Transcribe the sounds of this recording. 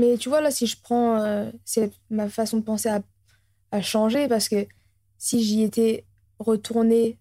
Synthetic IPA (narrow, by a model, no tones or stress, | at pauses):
mɛt̪yvwalasiʒəpχɑ̃øsɛmafasɔ̃d̪əpɑ̃sea | aʃɑ̃ʒepaʁsə̥kə | siʒeet̪ɛ | ʁət̪ʰuʁne